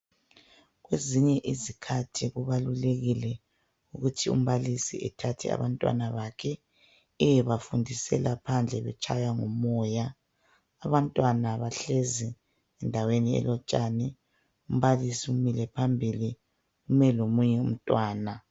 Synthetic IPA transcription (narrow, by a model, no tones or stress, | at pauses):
ɣweziɲɛʔizikʰatʰiɣuβaluleɣilɛ | uɣutʰiṵm̩βalisḭɛtʰatʰɛ̰a̰βantʼwa̰naβakʰɛ | ɛβafundʱisɛlapʰand͡ɮʱɛβɛt͡ʃʰʼajaŋɔmɔːjaː | βantʼwanaβaɬɛzɛ | ɛndʱaweniɛ̰lɔt͡ʃʼanɛ | um̩βalisiumilɛpʰambʱili | ɣumɛlomuɲɛum̩tʼwaːna